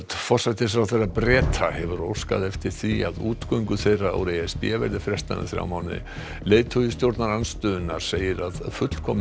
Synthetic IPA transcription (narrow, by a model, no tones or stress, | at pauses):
t̪fɔr̥sajt̪ɪs̬ɾawθejrapɾɛːt̪ʰahɛvʏɾow̥ska̰ðɛft̪ɪɾ̥θia̰ðuːt̪kœɥŋkʏθejraa̰wɾejɛspjɛvɛ̰ɾðɪfɾjɛst̪a̰ðɪ̰θɾja̰wmaːwnɪ̰ | leːjt̪ʰʏjʏs̬t̪jowɾt̪naɾanst̪ʏðʏnːaɾ̥seːjɪɾaðfʏt̪l̥kʰɔm